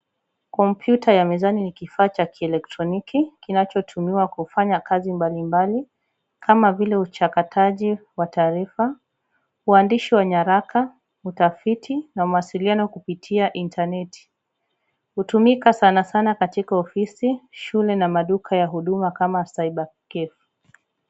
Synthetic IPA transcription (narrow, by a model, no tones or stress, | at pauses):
kɔmpʰjutʰajamɛzaninikifaːt͡ʃakʰiɛlɛk̚tɾɔnikikinat͡ʃɔtʰumiwakufaɲakazimbalimbali | kʰamavilɛut͡ʃakatʰaʄiwataːɾifa | uandiʃiwaɲaɾakʰa | utafitʰinamuwasilianɔkupitʰiaʔintʰanɛti̥ | hutumikasanasanakatikaɔfisiʃulɛnamaɗukʰajaɦuɗumakamasaiɓakɛf